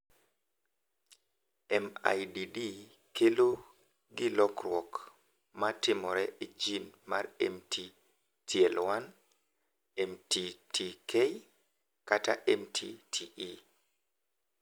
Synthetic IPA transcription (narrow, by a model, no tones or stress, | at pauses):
ɛma̰jdidi | kelo | ɡɪlɔkrwɔk | matɪmɔɾɛʔid͡ʒinmarɛmti | tʰiɛlwan | ɛmtitʰikʰej | kata̰ʔɛmtʰitʰiʔi